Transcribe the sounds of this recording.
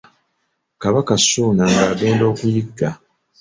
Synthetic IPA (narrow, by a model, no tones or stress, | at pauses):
kaβakasuːnaŋɡaːɡe̞ːndo̞ːkujiɡːa